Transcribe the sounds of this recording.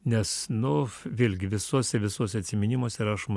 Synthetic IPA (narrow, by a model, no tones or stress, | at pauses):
nʲɛsnʊʋʲeːlʲɡʲɪʋʲɪsuɔsʲɛʋʲɪsuɔsʲɛɐt̪ʲsʲɪmʲɪnʲimoːsʲɛɾɐʃm